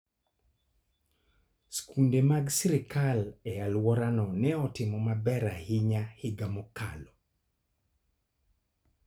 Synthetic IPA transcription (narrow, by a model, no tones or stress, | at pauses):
skundemaɡsiɾɪkalɛjalwɔɾanɔnɛɔtɪmɔmabɛɾahiɲahɪɡamɔka̰lɔ